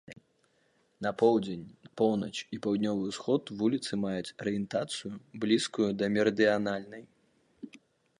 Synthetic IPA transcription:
nɐpɔwd͡zʲenʲpɔwnɐt͡ʃipawd̪ʲnʲɔvɨwsxɔt̪vulʲit̪sɨmajut͡sʲɐɾɨjɛnt̪at̪sɨjublʲiskujud̪ɐmʲɛɾd̪ɨanalʲnɐj

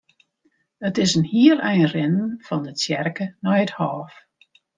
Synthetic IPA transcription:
ətɪsənhiəlɛjənrɪnn̩fɔndət͡sjɛrkənɔjəthɔːf

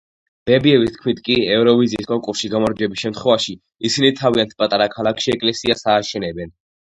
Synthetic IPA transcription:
b̥ɛbiɛvist̪̚ʰkʰmit̪ʰkʼiɛvɾɔviziːskʼɔŋkʼuɾsʃiɡamɔɾd͡ʒɛbisʃɛmt̪ʰχwɛvaʃi | isinit̪ʰaviant̪̚ʰpʼat̪ʼaɾakʰalˠakʰʃiɛkʼlɛsiasaːʃɛnɛbɛn

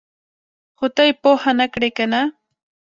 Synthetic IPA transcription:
hʊt̪ajpohanakɾajkana

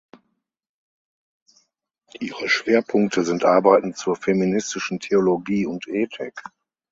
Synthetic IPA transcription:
ʔiːʁəʃv̥eːɐpʰʊŋk̚tʰəzɪntʔaɐbaɪtn̩t͡suːɐfeminɪstɪʃn̩tʰeoloɡiːʊntʔeːtʰɪk

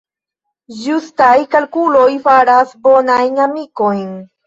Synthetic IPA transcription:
d͡ʒust̪ajkalkulojfaɾasbonajnamikojn

